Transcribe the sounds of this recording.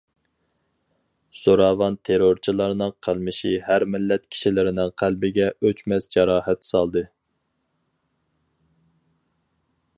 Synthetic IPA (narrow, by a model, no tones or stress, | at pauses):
soɾɑvɑnt̪ʰeɾoɾt͡ʃʰilˠɑɾnɨŋqʰəlˠmɨʃihæɾmɪlːɛt̪kʲʰi̥ʃilɪɾɪnɪŋqʰælbɪɡʲɛøt͡ʃmɛsd͡ʒɑɾɑːhɛt̪sɑlˠd̪ɨ